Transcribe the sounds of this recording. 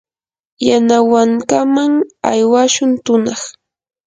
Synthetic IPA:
janawaŋkamaŋa̰jwaʃʊnt̪ʊnɑχ

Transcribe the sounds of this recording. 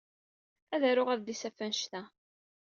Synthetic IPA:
æðæɾʊʁæðd̪isæfænʃt̪æ

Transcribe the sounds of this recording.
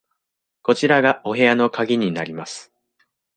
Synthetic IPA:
ko̞t͡ɕiɾaɡaʔo̞ɦe̞ano̞kaɡʲiɲ̟inaɾʲimasɨ̥

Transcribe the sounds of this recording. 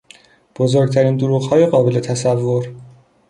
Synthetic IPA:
b̥ozoɾɡ̚t̪ʰæɾiːnd̪oɾuːɣhɒːjeɣɒːbe̞le̞t̪ʰæsævːoɾ

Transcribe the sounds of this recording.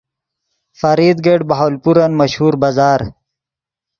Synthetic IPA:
fɐɾiːd̪ɡeɖbaɦoːlpuɾanmɐʃhuɾbazaːɾ

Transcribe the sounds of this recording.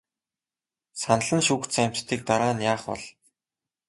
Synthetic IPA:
sanə̆ɮə̆nʃuːkt̪sæm̥ʲt͡ɕt̪ʰiːk̚t̪aɾaːnjaːχpɔ̰ɮ

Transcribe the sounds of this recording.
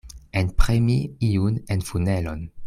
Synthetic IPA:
enpʁemiiunenfunelon

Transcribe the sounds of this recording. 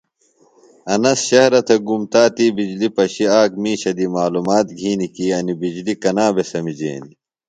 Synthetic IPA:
ɐnɐsɕɐhɾɐt̪ʰɐɡumt̪aːt̪iːbid͡ʑlipɐɕiaːk̚miːɕɐd̪imaːlumaːt̪̚ɡʱiːnikiːɐnibid͡ʑlikɐnaːbesɐmid͡ʑḛːni

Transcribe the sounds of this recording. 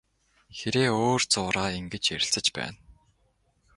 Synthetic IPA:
xeɾeːoːrt͡sʊːɾaːiŋɡĕt͡ɕeɾʲɪ̆ɬt͡sə̆t͡ɕpæ̰ːn

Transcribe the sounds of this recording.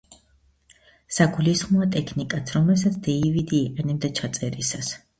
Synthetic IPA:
saɡulisχmɔat̪ʼɛkʰnikʼat̪ʰɾɔmlɛsat̪sʰd̪ɛivid̪iːqʼɛnɛbd̪at͡ʃʰat̪sʼɛɾisas

